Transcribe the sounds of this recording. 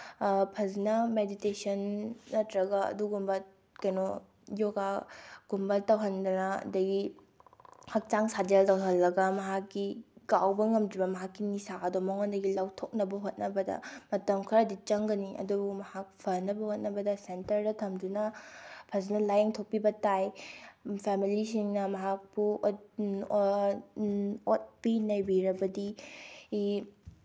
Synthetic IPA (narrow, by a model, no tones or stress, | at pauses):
pʰɐznɐmeditesɐnːɐtɾɐɡɐɐ̰duɡumbɐ | kɐjno | joɡaɡ̥umbɐtɐwɦɐndɐnɐɐ̰dɐɡi | hɐk̚t͡ʃaŋsad͡ʒeltɐwɦɐlːɐɡɐmɐɦakːiɡawbɐŋɐmdɾibɐmɐɦakːinisaʔɐdomɐŋondɐɡilawtʰok̚nɐbɐɦot̚nɐbɐdɐ̰mɐtɐmkʰɐɾɐdit͡ʃɐŋɡɐniʔɐ̰dubumɐhak̚pʰɐɾnɐbɐhot̚nɐbɐdɐsentɐɾdɐtʰɐmdunɐpʰɐznɐlːajeŋtʰok̚pːibɐtaj | pʰemilisiŋnɐmɐɦak̚bu | ot̚pinɐjbiɾɐbɐdii